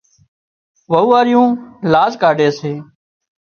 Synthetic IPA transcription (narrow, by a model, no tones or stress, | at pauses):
ʋəuːaːɾɪjũːlaːzkaːɖeːseː